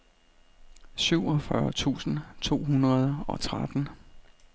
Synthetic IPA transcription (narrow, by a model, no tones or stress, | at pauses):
syʊ̰ɒ̽fɶɐt͡sʰṵːsn̩t͡sʰo̝̰ːɦunʁɐð̞ˠɒ̽t͡sʰʁad̥n̩